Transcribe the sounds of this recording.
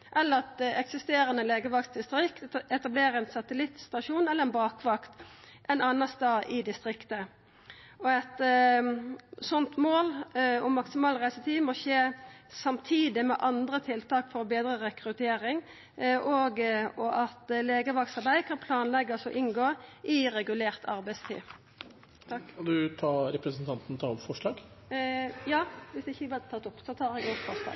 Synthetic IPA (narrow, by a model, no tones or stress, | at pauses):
ʔɛlːəɾɑt̪ɛksɪst̪eːɾənəleːɡəʋɑkt̪d̪ɪst̪ɾɪkt̪ɛt̪ɑbleːɾəɛnsɑt̪əlɪt̪st̪ɑʂuːnɛlːəʁɛnbɑːkʋɑkt̪ʔɛnɑːnɑst̪ɑːʔɪd̪ɪst̪ɾɪkt̪ə | ɔɛt̪ | sɔnt̪moːlɔmɑksɪmɑːlʁæɪsət̪ʰiːmɔʃeːsɑmt̪ʰiːd̪ɪmɛ̰ʔɑnd̪ɾət̪ʰɪlt̪ʰɑːkfɔɾɔbeːd̪ɾəʁɛkɾʉt̪ʰeːɾɪŋ | ʔoɡɔʔɑt̪leːɡəʋɑksɑʁbæɪd̪kʰɑnpʰlɑːnlɛɡːɑsɔʔɪnɡoːʔɪɾɛɡʉleːʁt̪ʰɑɾbæɪst̪ʰḭː | t̪ʰɑkːɑnd̪ʉt̪ʰɑːɾɛpɾəsn̩t̪ʰɑnt̪n̩t̪ʰɑɔpfɔʂlɑːɡ | jɑːʋɪsd̪ɛɪçːəʋɛlt̪ʰɑt̪ːɔpːsɔt̪ʰɑːɾɛɡɔpfɔʂlɑ̰ːɡ